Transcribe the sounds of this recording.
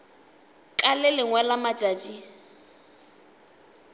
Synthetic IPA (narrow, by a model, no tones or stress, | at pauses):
kʼalɪlɪŋwɛlamḁd͡ʒʼaːt͡ʃʼi